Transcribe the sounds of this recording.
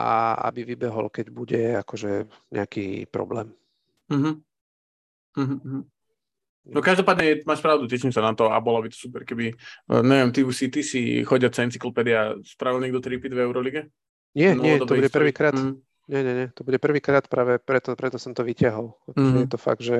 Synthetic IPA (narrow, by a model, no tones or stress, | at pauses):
ʔa̰a̰biʋibɛɦɔ̰lkɛɟbuɟɛakɔʒɛɲɛ̰akḭːpɾɔ̰blɛ̰ːm | m̩ːɦm̩ | ɦ̩ːɦm̩ | nɔkaʒd̪ɔpaːd̪ɲɛmaːʃpɾaʊd̪ucɛʃimsanat̪ɔa̰bɔlabit̪ɔ̥supɛɾkɛbiɲɛʋɪɛmt̪iusit̪isixɔɟat͡saɛnt͡siklɔpɛd̪iaspɾaʋilɲɛɡd̪ɔt̪ɾipid̪vɛʊɾɔliɡɛ | ɲɪɛnɲɪt̪ɔb̪ɔbuɟɛprɾ̩ʋiːkɾaː | ɲɛɲɛɲɛt̪ɔbuɟɛpr̩ʋiːkɾaːt̪pɾaːʋɛpɾɛt̪ɔpɾɛt̪ɔsɔmt̪ɔʋicɪaɦɔlakɔʒɛɛt̪ɔfa̰ɡ̚d̪ʒɛ